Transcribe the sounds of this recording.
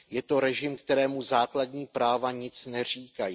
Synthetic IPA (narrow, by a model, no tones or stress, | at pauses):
jɛt̪o̞ɾɛʒɪmkt̪ɛɾɛːmuzaːkladɲiːpɾaːvaɲɪt͡snɛr̝iːkaji